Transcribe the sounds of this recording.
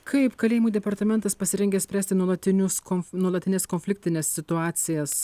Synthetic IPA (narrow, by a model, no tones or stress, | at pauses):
kʰɐɪpkɐlʲeːjɪmuːd̪ʲɛpɐɾt̪ɐmʲɛnt̪ɐspɐsʲɪɾʲɛŋʲɡʲɛsʲpʲɾʲæːsʲt̪ʲɪnuɔlˠɐt̪ʲɪnʲʊskɔnuɔlˠɐt̪ʲɪnʲeːskɔnʲfʲlʲɪkʲt̪ʲɪnʲeːsːʲɪt̪ʊɑːt̪sʲɪjɛs